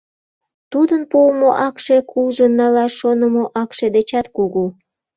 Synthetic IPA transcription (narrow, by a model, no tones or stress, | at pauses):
t̪ud̪ənpumoʔɑkʃekʰulʒənːɑlɑʃonəmoʔɑkʃed̪et͡ɕɑt̪kuɣu